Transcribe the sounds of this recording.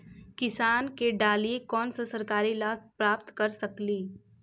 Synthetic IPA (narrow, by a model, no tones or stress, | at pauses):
kɪsaːnkeɖaːliekɔːnsasɐɾkaːɾilaːpɾaːp̚t̪kɐɾsɐkliː